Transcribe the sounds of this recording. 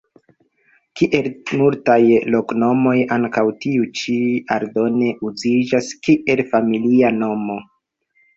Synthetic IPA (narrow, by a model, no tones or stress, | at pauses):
kiʔe̞lmultajlo̞kno̞mo̞jaŋkawtiut͡ʃiaɾdo̞ne̞ʔuzid͡ʒaskiʔe̞lfamiliano̞mo̞